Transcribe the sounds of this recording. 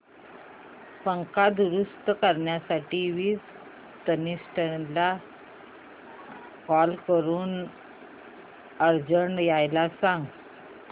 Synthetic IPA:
pəŋkad̪uɾust̪kəɾɳjasaʈiːʋiːt͡s | t̪ənisʈənla | kɔlkəɾuːn | əɾd͡ʑəɳɖjajlasãŋɡ

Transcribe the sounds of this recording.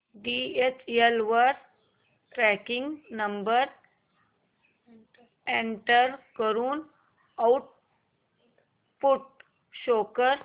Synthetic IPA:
ɖiet͡ɕelʋəɾ | ʈɾɛkɪ̃ŋɡnəmbəɾ | ẽɳʈəɾkəɾuːn | awʈ̚ | puʈ̚ | ʃoːkəɾ

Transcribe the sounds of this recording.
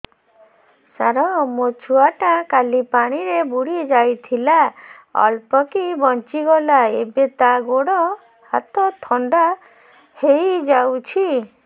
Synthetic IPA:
sa̰ɾɔmot͡ʃʰuaʈãkalipaɽ̃iɾebuɽied͡ʒajt̪ʰila | ɔ̰lpɔkibɔnt͡ʃiɡɔlaebet̪aɡoɽɔ | ha̰t̪ɔt̪ʰɔɳɖa | hejd͡ʒawt͡ʃʰi

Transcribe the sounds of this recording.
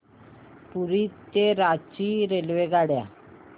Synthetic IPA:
puɾit̪ːeɾat͡ɕiɾelʋeɡaɽja

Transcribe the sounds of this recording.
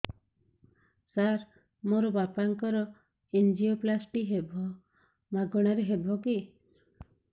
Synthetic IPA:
saɾ | moɾɔbapaŋkɔɾɔ | end͡ʒioplasʈiɦebʱɔ | maɡɔɽ̃aɾeɦebʱɔki

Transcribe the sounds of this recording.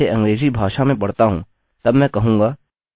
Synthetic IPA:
eʔɐ̃ŋɡɾeːzibʱaːʃamẽpɐɽt̪aɦṵ̃ː | t̪ɐbmɛ̃kɐɦũːŋɡaː

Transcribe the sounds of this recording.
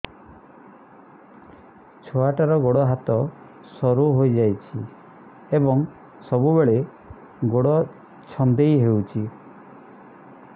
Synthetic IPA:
t͡ʃʰoaʈaɾɔɡoɽɔɦat̪ɔ | sɔɾuɦojd͡ʒajt͡ʃʰi | ebɔŋ | sɔbubeɭe | ɡoɽɔ | t͡ʃʰɔnd̪ejɦewt͡ʃʰi

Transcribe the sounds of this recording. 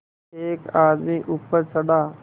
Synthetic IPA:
eːkaːd̪miʔʊpːəɾsəɗaː

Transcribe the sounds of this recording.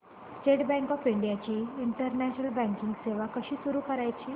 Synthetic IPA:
sʈeʈbɛ̃ŋkɔfiɳɖijat͡ɕiːɳʈəɾnæɕnəlbɛ̃ŋkiŋɡseʋakəɕiːsuɾuːkəɾajt͡ɕiː

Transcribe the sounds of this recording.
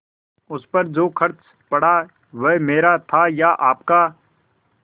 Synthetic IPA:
ʊspəɾd͡ʒoːkʰɐɾt͡ʃ | pɐɽaː | ʋemeːɾat̪ʰajaːʔaːpkaː

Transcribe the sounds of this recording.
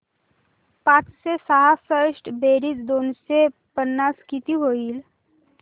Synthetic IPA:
pãt͡ssesəɦafəɾsʈbeɾiːt͡s̪d̪onsepənːaskit̪iɦoiːl

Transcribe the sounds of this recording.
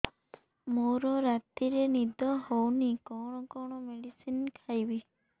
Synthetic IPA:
moɾɔɾat̪iɾenid̪ʱɔhownikɔɽ̃ɔkɔɽ̃ɔmeɽisinkʰajbi

